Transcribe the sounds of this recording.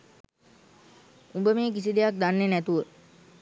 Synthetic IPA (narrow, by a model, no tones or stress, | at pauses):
umbəmeːk̬isid̪ejak̚d̪anːenæt̪uʋə